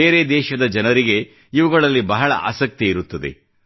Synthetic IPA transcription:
eːɾe̞d̪ɛːʃɐd̪ɐd͡ʒɐnɐɾiɡe̞ | iʋuɡɐɭɐlːibɐɦɐɭɐ̰a̰ːsɐk̚t̪iiɾut̪ːɐd̪e̞̰

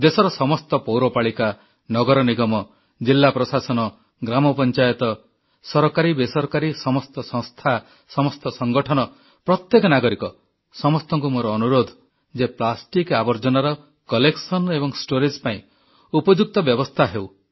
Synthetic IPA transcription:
d̪esɔɾɔsɔmɔst̪ɔpowɾɔpaɭika | nɔɡɔɾɔniɡɔmɔ | d͡ʒilːapɾɔsasɔnɔ | ɡɾamɔpɔnt͡ʃajɔt̪ɔ | sɔɾɔkaɾibesɔɾkaɾisɔmɔst̪ɔsɔ̃ŋst̪ʰa | sɔmɔst̪ɔsɔŋɡɔʈʰɔnɔ | pɾɔt̪jekɔnaɡɔɾikɔ | sɔmɔst̪ɔŋkumoɾɔːnuɾod̪ʱ | d͡ʒeplasʈikabɔɾd͡ʒɔnaɾɔ | kɔleksɔnebɔŋsʈoɾid͡ʒpaĩ | upɔd͡ʒuk̚t̪ɔbjɔbɔst̪ʰaɦew

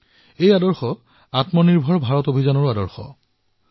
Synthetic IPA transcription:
ejadɔɹxɔ | atmɔniɹbʱɔɹbʱaɹɔtobʱizanɔɹadɔɹxɔ̰

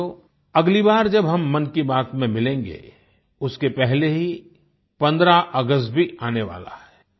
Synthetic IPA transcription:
o | ɐɡlibaːɾd͡ʒɐbɦɐmːɐnkibaːt̪mẽmɪlẽːŋɡḛ | ʊskepɛɦleɦi | pɐ̃nd̪ɾaʔəɡəst̪̚bʱiaːneʋa̰ːla̰ɦɛː

